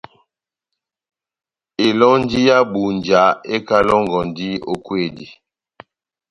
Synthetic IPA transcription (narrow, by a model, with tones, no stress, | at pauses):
e˨lɔ˦n˦di˦ja˦bu˨n˨d͡ʒa˨˦e˦ka˦lɔ˦ŋɡɔ˨n˨di˦o˨kwe˦˨di˨